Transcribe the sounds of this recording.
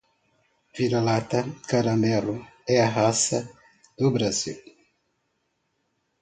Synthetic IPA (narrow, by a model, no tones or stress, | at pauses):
viɾalat̪ɐkaɾɐ̃mɛluɛɐɦasɐ | d̪̥ʊbɾazḭw